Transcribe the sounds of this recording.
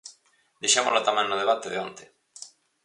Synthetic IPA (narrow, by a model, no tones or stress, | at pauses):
d̪eʃamolat̪amẽnnoðeβat̪eðeont̪e